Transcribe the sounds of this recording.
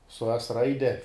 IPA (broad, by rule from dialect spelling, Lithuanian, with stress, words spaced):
sʊ ɛs ˈrɐɪdʲɛ